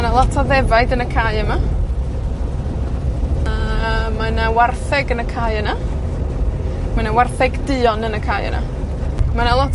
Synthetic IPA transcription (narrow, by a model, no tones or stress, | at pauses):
analˠɔtʰɔðɛvaɨdənəkʰaːjəma | amanawarθɛɡənəkʰaːjəna | manawarθɛɡdɨːɔnənəkʰaːjə̰na̰ | manalˠɔtʰ